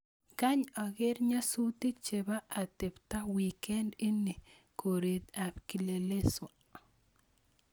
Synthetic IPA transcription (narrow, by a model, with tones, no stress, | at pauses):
ka˦ɲa˨ɡe˦ɾɲa˦su˦t̪i˦t͡ʃe˨ba˦a˨t̪e˨pt̪a˦wi˨ke˦nɪ˦ni˨ | kʰo˨ɾi˨t̪a˨pki˨le˨le˦swa